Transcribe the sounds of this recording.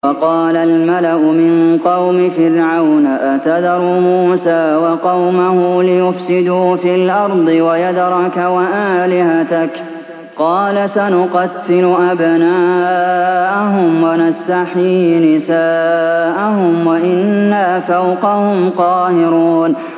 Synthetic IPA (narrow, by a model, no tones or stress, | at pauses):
wɑqɑːlalmalaʔʊmɪnqɑwmɪfɪɾʕawnaʔat̪ad̪ɑɾˤumuːsaːwɑqɑwmahʊlɪjʊfsɪd̪uːfiːlʔɑɾˤd̪ˤɨwajad̪ɾˤɑkawaʔaːlɪhat̪ak | qɑːlasanʊqɑt̪ːɪlʊʔabnaːʔaɦʊmwanast̪aħiːnɪsaːʔahʊmwaʔɪnːafawqɑhʊmqɑːhɪɾuːn